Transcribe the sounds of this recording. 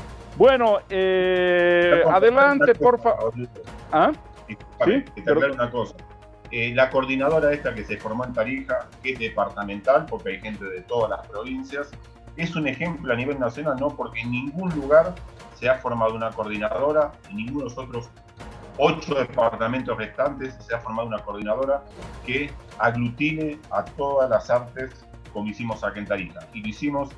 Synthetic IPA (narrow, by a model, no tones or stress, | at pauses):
bwenoe | aðelant̪eoɾoua | isak̚t̪aent̪et̪eaklaɾounako̞sa | elako̞ɾðinað̞o̞ɾae̞st̪ak̬ese̞fo̞ɾmo̞e̞nt̪aɾixakezðe̞paɾt̪amẽ̞nt̪alpo̞ɾkeajxe̞nt̪e̞ðe̞t̪o̞ð̞alaspɾo̞βinsjas | e̞sune̞xe̞mploaniβe̞lnasjo̞nalno̞po̞ɾkeːnːĩŋɡunluɣaɾ | seafo̞ɾmað̞ounakoɾð̞inaðo̞ɾainĩŋɡunosot̪ɾos | o̞t͡ʃoðepaɾt̪ame̞nt̪oreht̪ant̪esːe̞afo̞ɾmaðunako̞ɾð̞inaðo̞ɾake | aɣlut̪ine̞at̪o̞ðalasaɾt̪es | ko̞moisimo̞sakent̪aɾixailisimo̞s